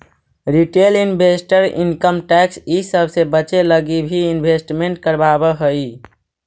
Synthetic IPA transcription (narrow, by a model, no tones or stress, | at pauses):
ɾiʈelinbʱesʈəɾḭnkəmʈɛksisəbʱsebət͡ʃeləɡibʱiinbʱesʈmeɳʈ̚kəɾbabəɦəj